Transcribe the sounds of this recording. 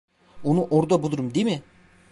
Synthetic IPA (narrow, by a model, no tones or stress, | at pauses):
onuʔoɾd̪abulˠuɾumd̪imɪ